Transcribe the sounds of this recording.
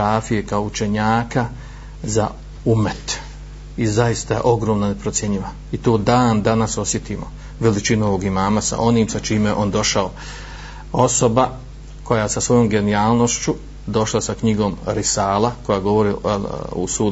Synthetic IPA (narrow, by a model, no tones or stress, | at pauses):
aːfije̞kao̞ut͡ʃe̞ɲaːka | za̰ | umet̪ | izajist̪a̰ʔo̞ɡɾomnone̞pɾot̪sje̞ɲiʋa | it̪o̞ːd̪aːnd̪anaso̞sje̞t̪iːmo̞̰ | ʋe̞lit͡ʃinuo̞ʋo̞ɡimaːmasa̰ʔo̞niːmsat͡ʃiːmjeʔo̞nd̪o̞ʃao | o̞so̞ba | ko̞jaesasʋo̞jo̞mɡe̞niaːlˠno̞ʃt͡ʃu | d̪o̞ʃlasakɲiɡo̞ːmɾisaːlako̞jaɡo̞ʋo̞ɾiṵsu